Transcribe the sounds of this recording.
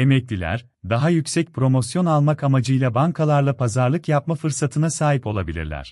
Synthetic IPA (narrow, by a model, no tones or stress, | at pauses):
e̞mɛclʲilʲæ̰ɾ | d̪aɦajycsɛc̚pʰɾo̞mo̞sjo̞nalˠmakamad͡ʒɯjlˠabaŋkʰalˠaɾlˠapʰazaɾlˠɯkjap̚mafɯɾsat̪ʰɯnasaːɦipo̞lˠabilʲḭɾlʲæ̰ɾ̝̥